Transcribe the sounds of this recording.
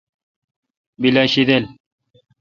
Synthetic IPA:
bilaɕid̪el

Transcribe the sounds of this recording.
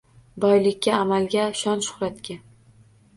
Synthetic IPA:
bɒjlɪkʲʰːaːmalɡʲaʃɒnʃʊ̥χɾat̪kʲa

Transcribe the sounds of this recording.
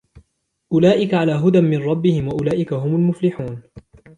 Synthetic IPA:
ʔʊlaːʔɪkaʕalaːɦʊd̪anmɪnɾˤɑbːɪhɪmwaʔʊlaːʔɪkaɦʊmʊlmʊflɪħuːn

